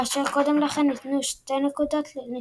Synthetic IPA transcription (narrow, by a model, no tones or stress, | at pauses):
aʃeʁkod̪emlaχenːit̪nuʃt̪enekud̪ot̪ni